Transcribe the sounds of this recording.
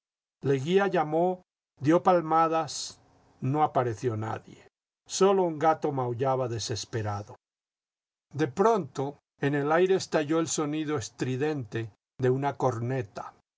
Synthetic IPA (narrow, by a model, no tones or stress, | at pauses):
le̞ɣiaʝamo̞ | d̪jo̞palmaðas | no̞apaɾe̞θjo̞na̰ðje̞̰ | so̞lo̞uŋɡat̪o̞mawʝaβaðe̞se̞spe̞ɾaðo | d̪e̞pɾo̞nt̪o̞ | ene̞lajɾe̞ːst̪aʝo̞elso̞niðo̞est̪ɾiðe̞nt̪e̞ | ðe̞unako̞ɾne̞t̪ḁ